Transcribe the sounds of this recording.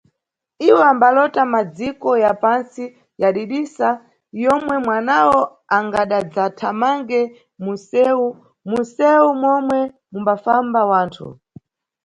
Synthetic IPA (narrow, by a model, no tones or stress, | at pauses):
iwɛambalɔtamad͡zikɔjapansi | jaɗiɗisa | jɔmwɛmwanawɔ | aŋɡaɗad͡zatʰamaŋɡɛ | musɛu | musɛumwɔmwɛ | mumbafambawaːntʰṵ